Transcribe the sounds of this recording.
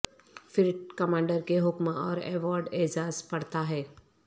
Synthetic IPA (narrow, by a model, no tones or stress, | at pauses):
fɪɾʈkɐmãːɳɖəɾkeɦʊkmɔːɾɛːʋɔːɾɖeːd͡ʒaːzpɐɽt̪aɦɛː